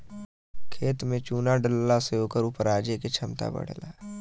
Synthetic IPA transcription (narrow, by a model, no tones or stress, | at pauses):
kʰeːt̪mẽt͡ʃuːnaɖəlːaseoːkəɾupəɾaːd͡ʒeket͡ʃʰɐmt̪a̰bə̰ɽ̤la̰ː